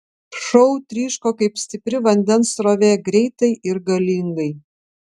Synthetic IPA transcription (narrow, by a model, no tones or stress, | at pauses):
ʃɔʊt̪ʲɾʲiːʃkoːkɐɪpsʲt̪ʲɪpʲɾʲɪʋɐnʲd̪ʲɛnsɾoːʋʲeːɡɾʲɛɪt̪ɐɪʔɪɾɡɐlʲiːŋɡɐɪ